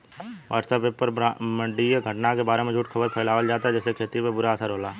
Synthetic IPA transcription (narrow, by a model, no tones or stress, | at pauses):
ʋʔa̰ːɾʈsəbepːəɾamə̃ɳɖieɡʱəʈnakebaːɾemẽd͡ʒʱuːʈkʰəbəɾpʰɛːlaːʋəld͡ʒaːt̪ad͡ʒɛːsekʰeːt̪ipebʊɾaəsaːɾɦoːlaː